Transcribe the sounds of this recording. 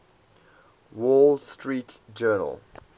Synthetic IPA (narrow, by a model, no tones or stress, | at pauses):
wɔlstʰɹiːtd͡ʒɜːnə̰l